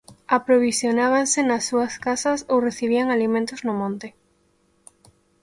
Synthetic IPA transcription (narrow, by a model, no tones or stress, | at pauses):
apɾoβ̞isjonaβ̞ansenasːuɐskasɐsowreθiβ̞iaŋalimẽnt̪oznʊmõnt̪ɪ